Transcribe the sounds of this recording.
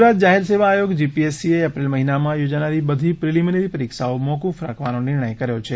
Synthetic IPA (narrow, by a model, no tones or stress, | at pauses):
ɾat̪̚d͡ʒaɦelseʋaːjoɡd͡ʒipiesieəpɾilməɦinamãjod͡ʒanaɾibəd̪ʱipɾiliməneɾipəɾikʃaomɔkufɾa̰kʰʋanonɪɾɳ̃əjkəɾjot͡ʃʰe